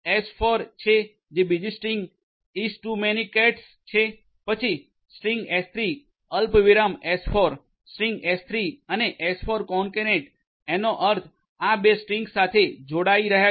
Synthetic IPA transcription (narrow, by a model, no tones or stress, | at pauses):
esfoɾt͡ʃʰe | d͡ʒebid͡ʒisʈɾiŋɡ | isʈumenikɛʈs | t͡ʃʰe | pət͡ʃʰi | sʈiŋɡest̪ʰɾi | əlpʋiɾamesfʰoɾ | sʈɾiŋɡest̪ʰɾiəneʔesfʰoɾkɔɳkeneʈ | enoʔəɾt̪ʰ | abesʈɾiŋɡsat̪ʰed͡ʒoɽaiɾəɦja